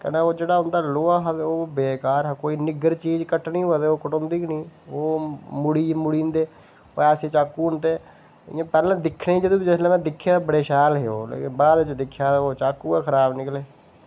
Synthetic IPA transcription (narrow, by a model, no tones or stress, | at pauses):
kɛ̰nẽːoːd͡ʒeːɽaːʊnd̪aːloːaːɦad̪oːbeːkaːɾakoːiːnɪɡəɾt͡ʃiːd͡ʒkəʈnĩːɦod̪eoːkəʈõːnd̪iːknĩːoːmʊɽiːmʊɽiːnd̪eː | o̰ːɛːseːt͡ʃaːkːuːʊnt̪eː | ɪ̰ãːpɛːlɛ̃ːd̪ɪkʰːnẽːid͡ʒəd̪õːbid͡ʒɪslɛ̃ːmɛ̃ːd̪ɪkʰːjaːbəɽeːʃɛːlɦeːo̰ːlḛːkɪnbaːd̪t͡ʃd̪ɪkʰːjaːoːt͡ʃaːkːuːɛːkʰəɾaːbnɪkleː